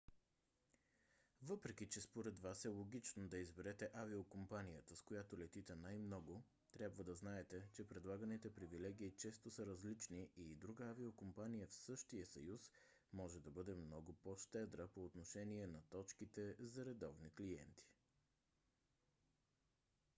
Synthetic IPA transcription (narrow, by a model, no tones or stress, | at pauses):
vɤpɾɛkit͡ʃɛspoɾɛd̪vasɛlˠoɡ̟ʲit͡ʃnod̪ɐizbɛɾɛt̪ɛʔaviokompanijət̪əskojat̪olɛt̪it̪ɛnajmnɔɡo | t̪ɾʲjabvəd̪ɐznaɛt̪ɛt͡ʃɛpɾɛd̪lˠaɡənit̪ɛpɾivilɛɡ̟iːt͡ʃɛst̪osəɾɐzlit͡ʃniid̪ɾuɡəaviokompanijəfsɤʃt̪iəsɐjus | mɔʒɛd̪ɐbɤd̪ɛmnɔɡopoʃt̪ɛd̪ɾəpoːt̪noʃɛniɛnɐt̪ɔt͡ʃkit̪ɛzɐɾɛd̪ɔvniklijɛ̰nt̪i̥